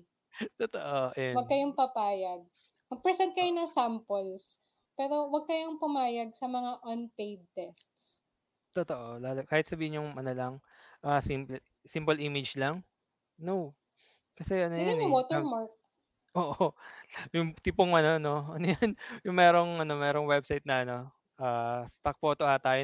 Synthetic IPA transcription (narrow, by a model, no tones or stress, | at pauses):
t̪ot̪oʔojawɐɡ̚kɐjoŋpɐpaːjɐɡ̚ | mɐɡ̚pɹɛsɛnt̪̚kɐjonɐsampols | pɛːɾo̞wɐɡ̚kɐjoŋpɐmaːjɐɡ̚sɐmɐŋaʔonpejd̪̚t̪ɛst̪s | t̪ot̪oʔolaːlokaːhɪt̪̚sɐbiːhɪɲːʊŋmɐnɐlɐŋ | ʔaːsimplɛ | simpolʔiːmɪd͡ʒlɐŋ | now | kɐsɛʔɐnoɐj̪nɐwot̪ɛɐɹmaɹk̚ | ʔoːʔo | jʊŋt̪ipoŋɐno̞ɐno̞ʔɐnojɐnjʊŋmɛːɾo̞ŋʔɐno̞mɛːɾoŋwɛbsajt̪̚nɐɐno̞ | ʔaːst̪ɐk̚pot̪oʔɐt̪aːjo